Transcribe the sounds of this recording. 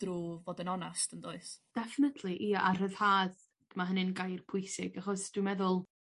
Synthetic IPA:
d̥ruːvoːdənɔnastəndoɨsd̥ɛfɪnətʰliʔiːʔar̥əð̥haːð | d̥əmaɦənɨnɡajrpʰʊɨsɪ̰ɡaχɔsd̥wɨmɛðʊlˠ

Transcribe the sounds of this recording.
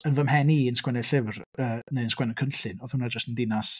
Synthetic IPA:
ənvəmhɛniːənskwɛnɛɬɪvrəːneðənskwɛnɔkʰənɬɨnɔθhunad͡ʒəstəndɪnas

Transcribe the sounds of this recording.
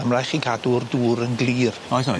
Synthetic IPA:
əmlajχiɡadʊrduːɾənɡlˠiːrɔjθɔ

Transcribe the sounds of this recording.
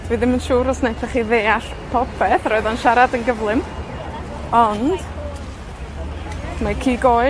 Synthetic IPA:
dviːðɪmənʃuːɾɔsnejpʰaχiðeːaɬ | pʰɔpʰɛθrɔɨðɔnʃaɾadənɡəvlˠɨm | ɔnd̥ | makʰiːɡoː

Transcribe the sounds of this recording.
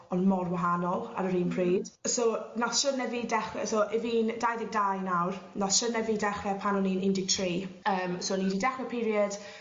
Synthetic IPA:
ɔnmɔrwaɦanɔlˠa̰ɾəɾiːnpʰriːd̥sonasʃənɛvidɛχwɛ̰soʔɪviːndajðɪɡ̚dajnawrnɔsʃənɛvidɛχvɛpʰanɔniːnɪndɪɡ̚tʰriːəːmsoːniːdidɛχwɛpʰiɾjəd̥

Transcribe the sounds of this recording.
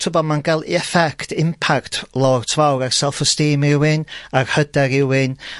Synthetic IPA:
tʰʊbɔmanɡɛlˠḭɛfɛkʰtʰɪmpʰaktʰlˠɔrtʰvawɾarsɛlˠfɔstiːmɪwɪnarhədɛɾɪwɪn

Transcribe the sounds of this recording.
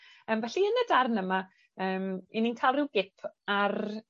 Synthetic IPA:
əːmvɛɬiənədarnəma | əːmininkʰalˠrɪwɡɪpʰar

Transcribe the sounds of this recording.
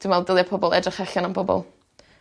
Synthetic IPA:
d̥wɪnvɛlˠdɪlˠjapʰɔbɔlˠɛdrɪχaɬanambɔbɔ̰lˠ

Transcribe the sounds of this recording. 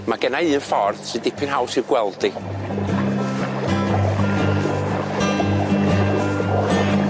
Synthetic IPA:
maɡɛnaɨːnfɔrðsɨdɪpʰɪnhawsiɡwɛlˠdi

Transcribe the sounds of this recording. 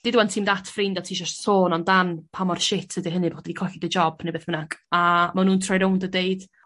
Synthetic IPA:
d̥ɪduwantʰiːmdatʰfrɪndatʰiːʃɔstsoːnɔndanpʰamɔrʃɪtʰədiɦənɨboχodɛdikʰɔɬɪdəd͡ʒɔb̥nejbeːθmənakamanuːntʰrajɾowndədeɨd̥

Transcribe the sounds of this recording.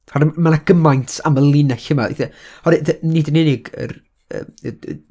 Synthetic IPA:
hɔɾmanaɡ̥əmajntʰa̰məlˠɪnɛɬəmaḛθihɔɾɪðənidənɪnɪɡə̰r | ə̰ː

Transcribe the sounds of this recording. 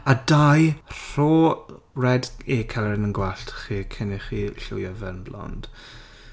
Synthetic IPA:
adajr̥oː | rɛdekʰalˠɛrnənɡwaɬtʰχiːkʰəniχiɬʊ̰javɛnblɔ̰nd̥

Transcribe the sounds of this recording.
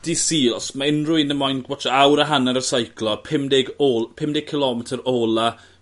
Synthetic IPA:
d̥isiːlˠɔsmaɪnrʊɨnəmɔjnɡwɔtʰaawɾaɦanaɾəsajkʰlˠɔpʰɪmdɪɡopʰɪmdɪɡ̚kʰːɪlɔmɛtʰəɾoːlˠa

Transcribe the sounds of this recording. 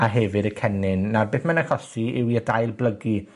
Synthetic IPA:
aɦɛvɪdəkʰɛnɪnːarbeːθmanakɔsiɪwiədajlˠblˠəɡi

